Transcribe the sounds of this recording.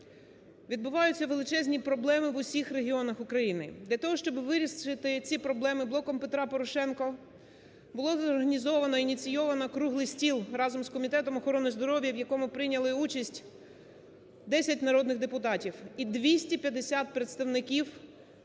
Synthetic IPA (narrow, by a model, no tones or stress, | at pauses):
ʋʲid̪bʊʋɑjʊt͡sʲːɐʋelˠɪt͡ʃɛzʲnʲipɾɔblˠɛmɪʋʊsʲixɾeɦʲiɔnɐxʊkɾɐjinɪd̪lʲɐt̪ɔɦɔʃt͡ʃɔbɪʋɪɾʲisɪt̪ɪt͡sʲipɾɔblˠɛmɪblˠɔkɔmpet̪ɾɑpɔɾɔʃɛnkɔ | bʊlˠɔzɔrɦɐnʲizɔʋɐnɔinʲit͡sʲijɔʋɐnɐkɾuɦlˠɪjsʲtʲilˠrɑzɔmskɔmʲit̪ɛt̪ɔmɔxɔɾɔnɪzd̪ɔɾɔʋʲjɐʋjɐkɔmʊpɾɪnʲɐlˠɪut͡ʃɐsʲtʲ | d̪ɛsʲɐtʲnɐɾɔd̪nɪɣd̪epʊt̪ɑtʲiwid̪ʋʲisʲtʲipʲjɐd̪esʲat̪̚pɾet̪st̪ɐwnɪkʲiw